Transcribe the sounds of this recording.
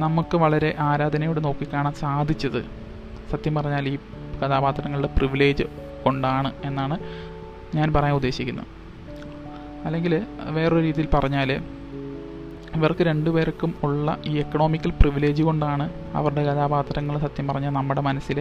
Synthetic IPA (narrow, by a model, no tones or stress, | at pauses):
nɐmukːɨʋɐɭɐɾe̞ʔaːɾaːd̪ʱɐnɐjuɽeno̞ːkːikʲːaːɳaːmsaːd̪ʱit͡ɕːɐðɨ̰ | sɐt̪jɐmpɐrɐɲːaːliː | kɐðaːbaːt̪ːɐɾɐŋːɐɭuɽe̞priʋile̞ːd͡ʑɨ | ko̞ɳɖaːɳɨe̞nːaːɳɨ | ɲaːnpɐrɐjɐmud̪ːe̞ːɕikʲːunːɐ̰ | ɐlːe̞ŋɡilʋe̞ːroɾiːðijilpɐrɐɲːaːl | iʋɐrkɨɾe̞ɳɖupe̞ːɾɐkːumuɭːɐ̰iːekːɐɳo̞ːmikʲːɐlpriʋile̞ːd͡ʑɨko̞ɳɖaːɳɨ | ɐ̰ʋɐruɽe̞kɐðaːbaːt̪ɐɾɐŋːɐɭsɐt̪jɐmpɐrɐɲːaːlnɐmːuɽe̞mɐnɐsːil